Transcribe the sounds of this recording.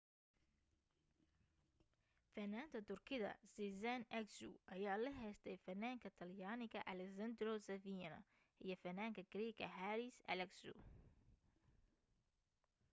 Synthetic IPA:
fɐnːaːnt̪ʰɐt̪ʰʊrkʰɪðɐ̰sizanɛksṵʔɐjaːlɐɦɛjst̪ʰɛjfɐnːaːŋkʰɐt̪ʰɐljaːnɪɣɐʔɐlɛsɐnd̪rɔsɐviɐnɐ̰ | ʔijɞfɐnaːŋkʰɐɡ̥ɾɛːɡɐ̰ɦaɾɪsɐ̰lɛksṵ

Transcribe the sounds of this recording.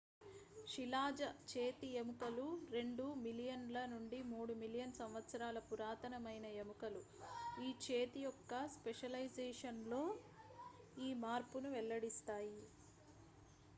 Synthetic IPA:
ʂilaːd͡ʒɐt͡ʃeːt̪iemukɐluɾe̞ɳɖumilijɐnlɐnuɳɖimuːɽumilijɐnsɐmʋɐt̪sɐɾaːlɐpuɾaːt̪ɐnɐmɐjnɐemukɐlu | iːt͡ʃe̞ːt̪ijɔkːɐspeʂɐlɐjd͡ʒeːʂɐnlo̞ː | iːmaːɾpunuʋɛlːɐɽist̪aːji

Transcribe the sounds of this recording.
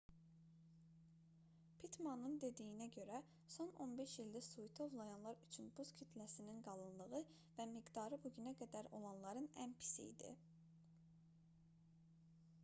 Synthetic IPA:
pʰit̪ʰmɑnɯnd̪e̞d̪ijinæɟø̞ɾæ | so̞no̞nbe̞ʃjild̪æsujt̪ʰo̞vlˠɑjɑnlˠɑɾyt͡ʃʰynbuz̥cʰit̪ʰlæsininɡɑlˠɯnlˠɯʁɯ | væmiɡd̪ɑɾɯbuɟynæɡæd̪æɾo̞̰lˠɑnlˠɑɾɯnæ̰npʰi̥sḭḭd̪ḭ

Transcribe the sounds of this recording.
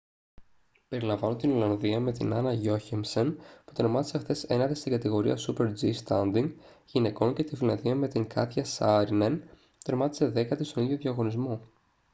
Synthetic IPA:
pe̞ɾilɐɱvɐnot̪ilolɐnðiɐme̞t̪inɐnɐʝo̞çiŋsenpu̥t̪ɾeɾmɐt̪i̥sexθe̞se̞nɐðest̪iɡɐt̪iɣo̞ɾḭɐ̰supe̞ɾd͡zist̪ɐnd̪iŋɡ | ʝine̞ko̞nce̞t̪ifilɐnðiɐme̞t̪iŋkɐθçɐsɐɾinen | t̪e̞ɾmɐt̪i̥se̞ðe̞kɐt̪ist̪o̞niðʝo̞ðjɐɣo̞nizmo

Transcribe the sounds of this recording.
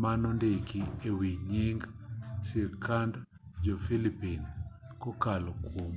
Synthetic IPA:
manɔndekiewiɲiŋɡsiɾkand | d͡ʒofilipinkɔkalɔkom

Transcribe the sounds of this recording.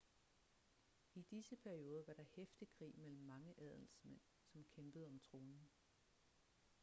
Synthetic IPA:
id̥isəpʰæɐio̝ːð̞ˠɐʋɑ̈ɾ̥ɑ̈hefd̥ikʰʁḭːmel̰m̩ːɑ̈ŋəʔæð̞ˠl̩smen̰ | sɒ̽mkʰemb̥əð̞̩ˠɒ̽mt͡sʰʁo̝ːnn̩

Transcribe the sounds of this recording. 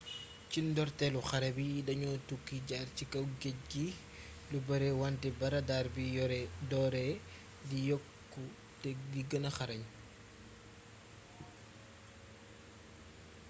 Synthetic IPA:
cindɔrtɛluxɐɾɛbijdɐɲɔtukːiɟaːrcikɐwɡec̚ɡi | lubɐɾɛwantɛbɐɾɐdaːrbiɔɾdɔːɾɛ | dijɔkːu | tɛɡiɡɐnɐxɐɾɐɲ

